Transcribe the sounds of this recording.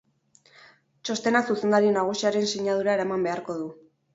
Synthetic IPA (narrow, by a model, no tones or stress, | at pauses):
t͡ʃo̞st̪e̞nasuse̞nd̪aɾienaɣ̞usiaɾe̞nsiɲað̞uɾaeɾamambe̞aɾko̞ðu